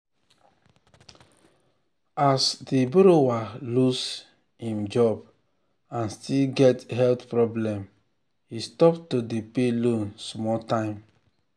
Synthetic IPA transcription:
asdebuɾowalus | hĩmd͡ʒɔb | ãnstilɡɛtɦɛltpɹɔblɛ̃m | histɔptodepelõnsmɔtãɪ̃m

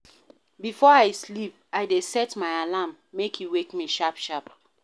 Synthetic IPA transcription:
bifɔaɪslip̚aɪdesɛtmaɪalamːekʰjiwekmiʃapʃap̚

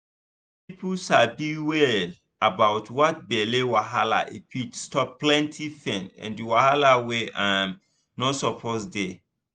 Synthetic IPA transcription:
pipuʃabiwɛl | abaʊtʰwɔt̚bɛlewaɦala̰ʔepʰitstɔpplɛ̃ntʰifɛ̃nɛ̰̃ndiwahalaweʔãm | nosɔpʰosde

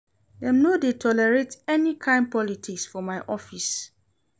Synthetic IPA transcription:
dɛ̃mnodetʰɔlɛɹetɛnikʰãɪ̃n̚pɔlitʰiksfɔmaɪʔɔfis

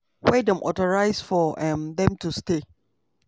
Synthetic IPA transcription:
wɛdɔ̃mʔɔ̰tɔɹaɪsfɔɛmðɛ̃mtuste

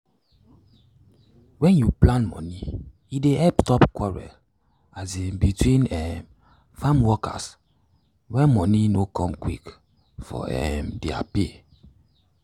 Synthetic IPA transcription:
wɛ̃njuplãnmɔ̰̃ni | ideɛptɔpkwɔɹɛ̰l | azibitwĩnɛm | famwɔka̰s | wɛmɔ̃ninokɔ̃mkwḭk | fɔ̰ɛ̰mdia̰pe

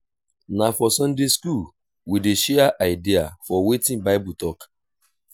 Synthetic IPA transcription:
nafɔsɔ̃ndeskul | wideʃɛaʔaɪdiafɔwetĩnbaɪbutɔk

